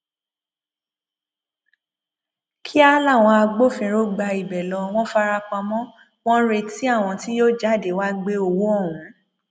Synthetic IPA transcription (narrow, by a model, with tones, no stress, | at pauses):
kʰi˦a˦la˦˨w̃ɔ̃˧a˧ɡ͡bo˦˨fĩ˧ɾo˦ɡ͡ba˧i˨bɛ˨lɔ˨˧w̃ɔ̃˦fa˦ɾa˧k͡pã˧mɔ̃˦ | w̃ɔ̃˦ɾe˧ti˦a˦˨w̃ɔ̃˧ti˦jo˦d͡ʒa˦˨de˨˦wa˦ɡ͡be˦o˧wo˦ɔ˦˨wũ˨˦